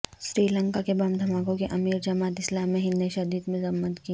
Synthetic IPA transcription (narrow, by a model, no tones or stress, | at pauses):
ʃɾiːlə̃ŋkakebɐ̃md̪ʱɐmaːkõkeʔɐmiːɾd͡ʒɐmaːt̪ɪslaːmːẽɦɪnːeʃɐd̪iːd̪mʊzəmːət̪ki